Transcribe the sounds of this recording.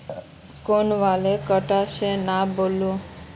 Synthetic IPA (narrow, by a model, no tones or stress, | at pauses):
konʋalekəʈasenabolũ